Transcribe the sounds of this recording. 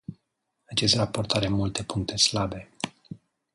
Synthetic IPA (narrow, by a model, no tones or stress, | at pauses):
at͡ʃe̞st̪rapo̞rt̪aɾe̞mult̪e̞puŋk̚t̪ʰe̞slabe̞